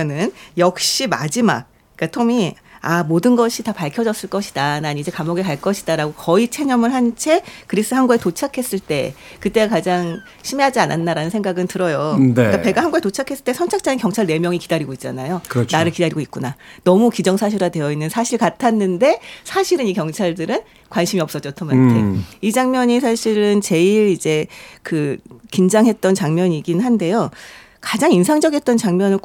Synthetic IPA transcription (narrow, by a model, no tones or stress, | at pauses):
nɯnjʌk̚ɕ͈ima̰d͡ʑima̰k̚ | k͈atʰomi | amodɯnɡʌɕʰitapaɭkʰjʌd͡ʑʌs͈ɯɭk͈ʌɕʰi̥dananid͡ʑe̞kamʌɡekaɭk͈ʌɕʰi̥daɾaɡokʌit͡ɕʰe̞ɲʌmɯɭhant͡ɕʰe̞kɯɾis͈ɯɦanɡuetot͡ɕʰakʰe̞s͈ɯɭt͈e̞ | kɯt͈e̞ɡakad͡ʑaŋ | ɕʰime̞ɦad͡ʑiananːaɾanɯnsʰeŋɡaɡɯntɯɾʌjonk͈ape̞ɡahanɡuɡetot͡ɕʰakʰe̞s͈ɯɭt͈esʰʌnt͡ɕʰak̚t͡ɕ͈ainkjʌŋt͡ɕʰaɭne̞mjʌŋikidaɾiɡoit̚t͡ɕ͈a̰najokt͡ɕnaɾɯɭkidaɾiɡoit̚k͈unanʌmukid͡ʑʌŋsʰaɕʰiɾadwe̞jʌinːɯnsʰaɕʰiɭkatʰanːɯnde̞sʰaɕʰiɾɯnikjʌŋt͡ɕʰaɭdɯɾɯn | kwanɕʰimiʌps͈ʌt͡ɕʌtʰʌmaeid͡ʑaŋmjʌɲis̬ʰaɕʰiɾɯnt͡ɕe̞iɾid͡ʑe̞kɯkind͡ʑaŋɦe̞t̚t͈ʌnt͡ɕaŋmjʌɲiɡinnɦande̞jo | kad͡ʑaŋinsʰaŋd͡ʑʌɡiet͈ʌnt͡ɕaŋmʲjʌnɯɭ